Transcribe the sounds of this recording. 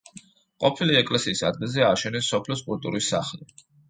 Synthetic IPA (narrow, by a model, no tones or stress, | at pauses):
qʼɔpʰiliɛkʼlɛsiːsad̪ɡɛzɛaʃɛnɛsːɔpʰlɔskʼult̪ʼṵɾisːa̰χli